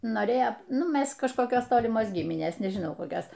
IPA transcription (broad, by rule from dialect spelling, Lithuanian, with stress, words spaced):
ˈnoːrʲeːjoː ˈnʊ ˈmʲɛs kɐʃkoːˈkʲoːs ˈtoːlʲɪmoːs ˈɡʲiːmʲɪnʲeːs nʲɛʒʲɪˈnɐʊ koːˈkʲoːs